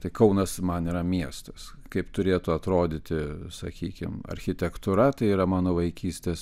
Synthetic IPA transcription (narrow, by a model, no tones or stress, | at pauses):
t̪ɐɪkɐʊnɐsmɐniːɾɐmʲiɛst̪ɐs | kɐɪpt̪ʊɾʲeːt̪ʊɐt̪ɾoːd̪ʲɪt̪ʲɪsɐ̰kʲiːkʲɪ̰mɐ̰ɾʲxʲɪt̪ʲɛkt̪ʊɾɐt̪ɐɪiːɾɐmɑːnoːʋɐɪkʲiːsʲt̪ʲeːs